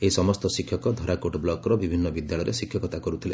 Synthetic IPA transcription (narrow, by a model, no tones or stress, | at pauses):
eɦisɔmɔst̪ɔsikʰːjɔkɔd̪ʱɔɾakoʈɔblɔkɔɾɔbibʱinːɔbid̪jaɭɔjɾesikʰjɔkɔt̪akɔɾut̪ʰile